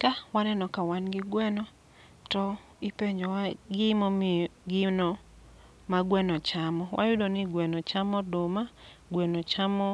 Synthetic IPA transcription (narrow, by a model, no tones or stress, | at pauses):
kawanɛnɔkawanɡɪɡwɛnɔ | tɔ | ipeɲd͡ʒɔɡɪmɔɡɪnɔ | maɡwɛnɔt͡ʃamɔwʔa̰jʊdonɪɡwɛnɔt͡ʃamɔdʊma | ɡwɛnɔt͡ʃamɔ